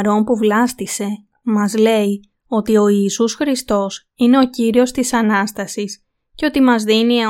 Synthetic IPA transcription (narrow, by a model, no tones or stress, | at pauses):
ɾo̞mpuvlɐst̪ise̞ | mɐzle̞i | o̞t̪io̞iːsusxɾist̪o̞s | ine̞o̞ciɾio̞st̪isɐnɐst̪ɐsis | ce̞o̞t̪imɐzðini